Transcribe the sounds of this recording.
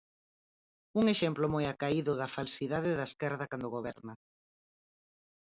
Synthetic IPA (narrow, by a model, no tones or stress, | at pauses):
uŋeʃɛmplomojakaiðʊðɐfalsiðaðɪðaeskɛɾðɐkand̪oɣoβɛ̰ɾnɐ